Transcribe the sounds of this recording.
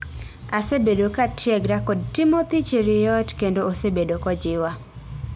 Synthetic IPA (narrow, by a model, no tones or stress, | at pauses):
asebedokatʰjɛɡɾakɔd̚tɪmot̪it͡ʃeɾɪjɔtkendoosebedokɔd͡ʒɪwa